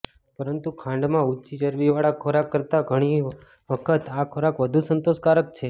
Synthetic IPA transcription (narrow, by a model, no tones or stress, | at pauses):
pəɾənt̪ukʰãɳɖmãutːt͡ʃit͡ʃəɾʋiʋaɭakʰoɾakːəɾt̪aɡʱəɽ̃i | ʋəkʰət̪akʰoɾakʋəd̪ʱusənt̪oʃkaɾək̚t͡ʃʰe